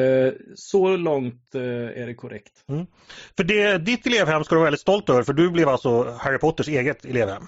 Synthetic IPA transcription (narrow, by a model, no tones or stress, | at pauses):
sɔlɔŋt̪æ̰ɖɛkʰʊɾɛ̰kt̪m̩ː | fœɖɛd̪ɪt̪ːɛleːvhɛmːskad̪ɵvɑɾɛld̪ɪt̪st̪ɔlt̪œːvəɾfœɖɵblɛvalt̪sɔhæɾɪpʰɔt̪ːəʂeːɡət̪ɛleːvhɛ̰mː